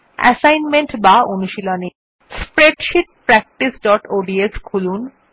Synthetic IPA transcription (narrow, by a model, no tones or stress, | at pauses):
ɛ̰sajnmeɳʈbaonuʃiloni | spɾeɖʃiʈ̚pɾɛk̚ʈisɖɔʈoɖieskʰulun